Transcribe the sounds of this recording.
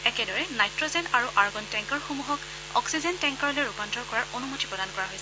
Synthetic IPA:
ɛkɛdɔɹɛnajtɹɔzɛnaɹuʔaɹɡɔntɛŋkɔɹxumuɦɔk | ɔ̰ksizɛntɛŋkɔɹɔlojɹupantɔɹkɔɹaɹonumotipɹɔdankɔɹaɦojsɛ

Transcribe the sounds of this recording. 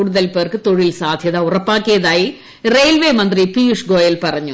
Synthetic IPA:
uːɽuðɐlpeːrkɨt̪o̞ɻilsaːd̪ʱjɐðɐurɐpːaːkːijɐðaːji | rejlʋemɐnd̪ripijuʂɡo̞ːjɐlpɐrɐɲːu

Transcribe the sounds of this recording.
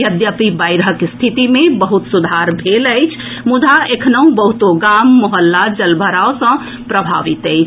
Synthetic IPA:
jəd̪jəpibajɾɦəkst̪ʰit̪imebəɦut̪sud̪ʱaɾbʱeləjt͡ʃʰ | mud̪ʱaekʰnəũbəɦut̪oɡamːɔɦəlːad͡ʒəlbʱəɾaosə̃ | pɾəbʱa̰ʋit̪əɪt͡ʃʰ

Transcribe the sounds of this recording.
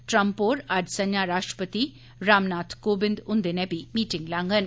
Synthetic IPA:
ʈɾɐmpoːɾɐɖsɐɲjaːɾaːʃʈɾə̥pət̪i | ɾaːmnaːt̪ʰkoːbɪnd̪ʊnd̪enɛbimiːʈɪŋɡlãːŋɡən

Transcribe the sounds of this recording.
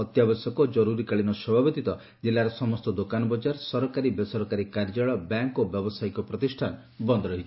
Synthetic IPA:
ɔt̪jabɔsɔkɔd͡ʒɔɾuɾikaɭinɔsɔbʱabɔd̪it̪ɔ | d͡ʒilːaɾɔsɔmɔst̪ɔd̪okanɔbɔd͡ʒaɾsɔɾɔkaɾibesɔɾɔkaɾikaɾd͡ʒaɭɔbaŋkobjɔbɔsajkɔpɾɔt̪isʈʰan | bɔnd̪ʱɔɾɔɦit͡ʃʰ

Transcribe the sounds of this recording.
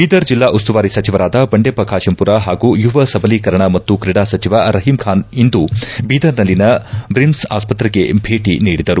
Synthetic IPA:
biːd̪ɐɾd͡ʒilːaːʔust̪uʋaːɾisɐt͡ʃiʋɐɾaːd̪ɐbɐɳɖepɐkʰaːʃɐmpuɾaɦaːɡuːjuʋɐsɐbɐlikɐɾɐɳɐmɐt̪ːukɾiɽaːsɐt͡ʃiʋaɾɐɦimkʰaːnind̪ubiːd̪ɐɾnɐlːinɐbɾimsa̰ːspɐt̪ɾɐɡe̞bʱeːʈiniːɽid̪ɐɾu

